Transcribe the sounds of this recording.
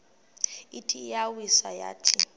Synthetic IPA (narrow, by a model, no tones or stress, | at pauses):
itʰijawisaja̰ːtʰi